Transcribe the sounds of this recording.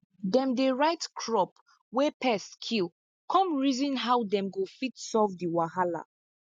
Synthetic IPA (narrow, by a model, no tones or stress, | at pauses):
dɛ̃mdeɹaɪtkʰɹɔp | wɛpɛskʰil | kʰɔ̃mɹizĩnɦawdɛ̃mɡofitsɔvdiwaɦala̰